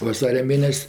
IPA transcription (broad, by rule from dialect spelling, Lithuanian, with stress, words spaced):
ʋɐˈsɑːrʲɛ ˈmʲeːnʲɛsʲ